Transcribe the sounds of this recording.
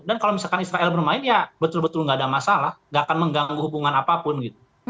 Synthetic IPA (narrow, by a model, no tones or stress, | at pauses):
dankalowmisalkanisɾaʔɛlbərmaɪnjabət̪ʊlbət̪ʊlŋɡaːdamasalahŋɡakanməŋɡaŋɡuɦubuŋanapapʊnɡit̪̚u